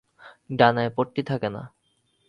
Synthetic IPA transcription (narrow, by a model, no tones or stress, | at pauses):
ɖanaepoʈʈːit̪ʰakena̰